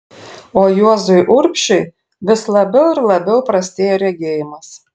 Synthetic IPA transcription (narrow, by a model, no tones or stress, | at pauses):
oːjuɔzʊjʔʊɾʲpʲʃʲɛj | ʋʲɪslˠɐbʲɛʊɪɾlˠɐbʲɛʊpɾɐsʲt̪ʲeɛjɛɾʲɛɡʲeːjɪmɐs